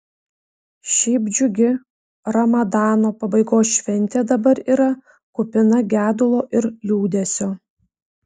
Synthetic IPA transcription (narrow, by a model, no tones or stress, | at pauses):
ʃʲɛːbʲd͡ʒʲʊɡʲɪ | ɾɐmɐd̪ɑːnoːpɐbɐɪɡoːsʃʲʋʲɛnʲˑt̪ʲeːd̪ɐbɐɾiːɾɐ | kʊpʲɪnɐɡʲæːd̪ʊlˠoːʔɪɾlʲuːd̪ʲesʲoː